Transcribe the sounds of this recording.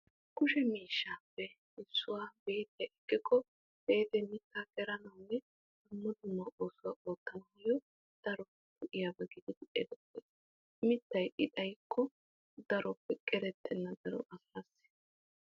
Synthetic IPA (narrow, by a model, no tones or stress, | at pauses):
kʊʃɛmiːʃːaːpːɛ | ɪsːʊwaːbeːt̪ɐʔɛkːɪkːɔ | b̥e̞ːt̪ɛmɪt̪ːakɛɾɐnɐwnɛ | ɐmːɔd̪ʊmːɐʔoːsʊwaːʔoːt̪ːɐnɐhɐjɔ | d̪̥ɐɾɔpːɛk̪ʊʔɪjabɛɡɪd̪ɪd̪ɪʔɛ̰d̪ɔpːes | mɪt̪ːɐjʔɪt̪ʼɐjkʰːɔ | d̪̥ɐɾʔɔpːɛkʼɛɾɛt̪ːɛnːɐd̪ɐɾɔ̰ʔɐsɾɐsɪ̥